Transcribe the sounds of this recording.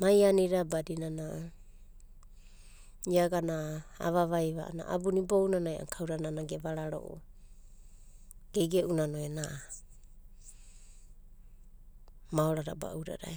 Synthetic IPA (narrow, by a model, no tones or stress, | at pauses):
majaniɾabadinana | iaɡanaa̰βaβajβaana̰ʔabunibownanaja̰ŋkʰawɾananaɡeβaɾaɾo̰ʔo̰ | ɡ̥eɡeʔunanoena | maoɾaɾa̰ba̰ʔuɾa̰ɾa̰j